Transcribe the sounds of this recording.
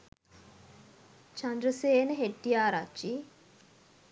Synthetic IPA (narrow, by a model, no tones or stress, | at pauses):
t͡ʃand̪ɾəseːnəɦeʈːijaːɾat͡ʃːi